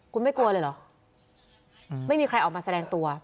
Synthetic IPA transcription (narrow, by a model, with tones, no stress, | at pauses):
kʰu˧nma˥˩jku˧ɐlɤː˧jlɔ˨˩˦ | ma˥˩jmiː˧kʰɾa˧jʔɔː˨˩kmaː˧sa˧ɛː˧ŋt̪u˧ɐ